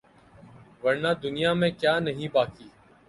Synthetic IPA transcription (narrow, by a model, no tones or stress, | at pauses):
ʋəɾnaːd̪ʊnɪijaːmẽːkjaːnəɦĩːbaːkiː